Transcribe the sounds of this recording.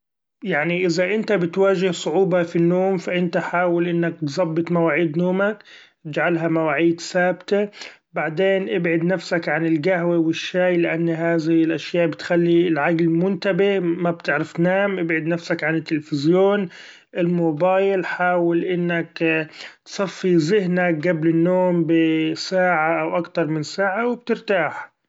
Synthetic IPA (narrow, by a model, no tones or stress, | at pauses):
jaʕniʔɪzaʔɪnt̪abɪt̪waːʒɪhsˤʊʕuːbɑfinːoːmfaʔɪnt̪aħaːwɪlʔɪnːak̚t̪zˤɑbːɨt̪ˤmawaːʕiːd̪noːmak | t̪ɪd͡ʒʕalɦamawaːʕiːd̪saːbt̪a | baʕd̪eːnʔɪbʕɪd̪nafsakʕanɪlɡaɦwewɪʃːaːjlɪʔanːɦaːðɪɪlʔaʃjaːʔbɪt̪xalːilʕaɡlɪmʊnt̪abɪhmab̚t̪ɪʕɾɪfnaːmʔɪbʕɪd̪nafsakʕanɪt̪ːɪlfɪzjoːn | ʔɪlmoːbaːjlħaːwɪlʔɪnːakt̪sˤɑfːizɪɦnak̚ɡablɪnːoːmbɪsaːʕaʔawʔakt̪ɑɾˤmɪnsaːʕawɪb̚t̪ɪɾt̪aːħ